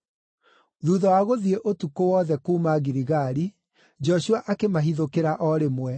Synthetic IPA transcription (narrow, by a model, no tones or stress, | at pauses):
ðuːðɔwaɣoðieʔotukowɔðɛkuːmaɣiɾiɣaɾi | d͡ʒɔʃuaʔakemaɦiðokeɾaʔɔɾemwɛ